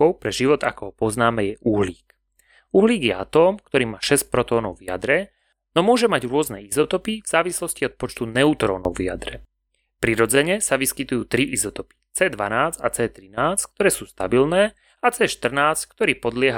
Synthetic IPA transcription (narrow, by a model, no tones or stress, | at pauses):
ɔʊpɾɛʒiʋɔt̪a̰kɔɦɔpɔznaːmɛjɛʔuɦliːk | uɦliːɡjɛa̰t̪ɔːmkt̪ɔɾiːmaːʃɛsc̚pɾɔt̪ɔːnɔʊvɪa̰d̪ɾɛ | nɔmʊɔʒɛmaɟɾʊɔznɛ̰ːizɔt̪ɔpivz̥aːʋislɔsciɔt̪̚pɔt͡ʃt̪unɛut̪ɾɔ̰ːnɔ̰ʊvia̰d̪ɾɛ | pɾiɾɔd͡zɛɲɛsaʋiskit̪ujuːt̪ɾiʔizɔt̪ɔpi̥t͡sɛːd̪ʋa̰naːd͡za̰t͡sɛːt̪ɾinaːt͡sk̚t̪ɔɾɛːsuːst̪a̰bilnɛː | at͡sɛːʃt̪r̩naːt͡sckt̪ɔɾiːpɔd̪lɪɛɦa